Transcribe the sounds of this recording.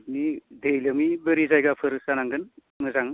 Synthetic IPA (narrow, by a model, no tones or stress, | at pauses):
bnidejlɯmibəɾizajɡapʰɯɾsanaŋɡɯn | mɯzaŋ